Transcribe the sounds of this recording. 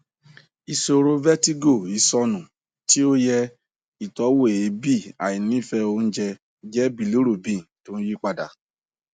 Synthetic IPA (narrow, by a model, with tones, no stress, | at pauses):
i˧so˧ɾo˦vɛ˦ti˦ɡo˦˨i˨˧˦sɔ˧nũ˨ | ti˦o˦jɛ˧ | i˨tɔ˨˦wo˦e˨i˨˦bi˦˨a̰˨i˨nĩ˦i˦˨fɛ˧o˧n̩˦d͡ʒɛ˧ | d͡ʒɛ˦bi˦˨lu˦ɾo˦˨bĩ˦˨to˦n̩˦ji˦k͡pa˧da̰˨